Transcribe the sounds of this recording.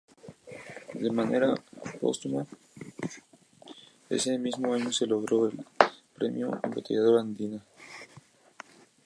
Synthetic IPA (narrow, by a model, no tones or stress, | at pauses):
d̪emaneɾapo̞̰st̪uma | ḛsemizmoaɲose̞lo̞ɣɾo̞elpɾe̞mjo̰embot̪eʝaðoɾand̪ina